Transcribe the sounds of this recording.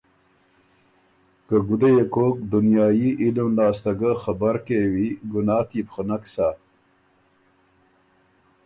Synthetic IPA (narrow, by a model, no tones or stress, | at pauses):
kəɡud̪ejekoːkd̪unjɑːjiʔilmlɑːst̪aɡəxabaɾkewiɡunɑːt̪ipxənaksa